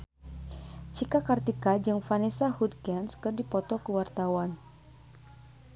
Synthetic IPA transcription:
t͡ʃikakart̪ikad͡ʒɨŋfanesahud̚kɛnskɨrdipɔt̪ɔkəwart̪awan

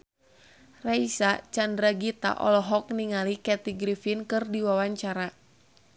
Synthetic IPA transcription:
raisat͡ʃandɾaɡit̪a̰ʔɔ̰lɔɦɔk̚niŋalikɛt̪iɡɾifinkɨrdiwawaɲt͡ʃaɾa

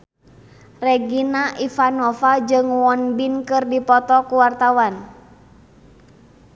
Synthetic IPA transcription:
rɛɡinaʔifanɔfad͡ʒɨŋwɔnbinkɨrdipɔt̪ɔkuwart̪awan

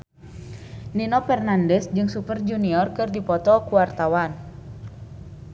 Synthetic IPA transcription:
ninɔpɛrnandɛsd͡ʒɨŋsupərd͡ʒuniɔrkɨrdipɔt̪ɔkuwart̪awan

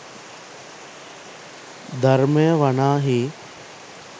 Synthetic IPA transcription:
d̪ʱɐɾmɐjɐʋɐɳaːɦiː

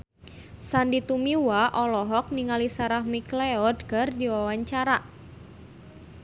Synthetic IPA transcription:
sandit̪umiwaʔɔlɔɦɔk̚niŋalisaɾahmikleɔdɡardiwawaɲt͡ʃaɾaʔ

